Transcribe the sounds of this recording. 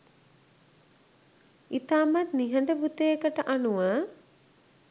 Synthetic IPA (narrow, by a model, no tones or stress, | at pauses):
it̪aːmat̪niɦəɳɖəbut̪eːkəʈəʔanuʋaː